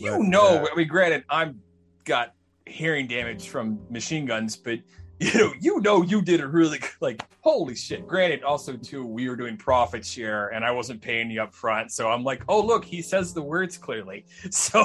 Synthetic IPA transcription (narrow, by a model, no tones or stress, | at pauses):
jɨnoʊwiɡɹæ̃ɾ̃ɨɾãɪ̃m | ɡ̥ɑt̚ | hiɹɪ̃ŋdæmɨd̥ʒ̥fɹʌ̃mːɨʃĩnɡʌ̃nzb̥ʌt̚jɨnoʊjɨnoʊjɨdɨɾɨɹɪlˠilaɪkhoʊlˠiʃɪt̚ɡ̥ɹæ̃ɾ̃ɨɾɔlˠsoʊtʰʉwiwə˞dʉɪ̃ŋpʰɹ̥ɑfɨtsʃɛɹɨ̃ñaɪwʌzɨ̃npʰeɪɪ̃ŋjɨʌpfɹʌ̃ntsoʊãɪ̃mlaɪkoʊlʊkhisɛzðəwɜ˞dz̥kʰl̥ɪɹli | soʊ